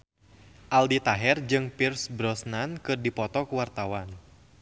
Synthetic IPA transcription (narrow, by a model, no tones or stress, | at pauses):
ʔaldit̪aɦɛrd͡ʒɨŋpirsbɾɔsnankɨrdipɔt̪ɔkuwart̪awan